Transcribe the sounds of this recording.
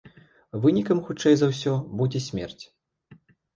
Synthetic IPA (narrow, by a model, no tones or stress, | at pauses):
vɨnʲikɐmxut͡ʂɛjzɐwsʲɔbud͡zʲɛsʲmʲɛ̰rt͡sʲ